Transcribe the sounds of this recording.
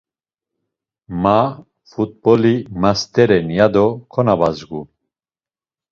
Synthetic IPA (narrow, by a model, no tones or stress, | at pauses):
ma | fut̪̚bɔlimast̪ʰʼɛɾɛnjad̪ɔkʰɔnabazɡu